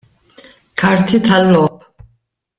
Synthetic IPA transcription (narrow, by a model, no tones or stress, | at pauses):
kʰaɾt̪ʰit̪ʰalːɔpʰ